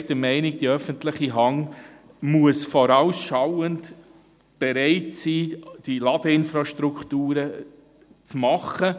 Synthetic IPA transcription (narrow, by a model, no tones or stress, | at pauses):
d̥əmɛɪnɪɡ̚d̥iœfəntlɪχiɦɑŋ | muəsfɔɾaʊsʃawənt | b̥ɛɾɛɪtsiːd̥ilɑd̥əɪnfɾɑʃtɾukχtuːɾə | t͡smɑχə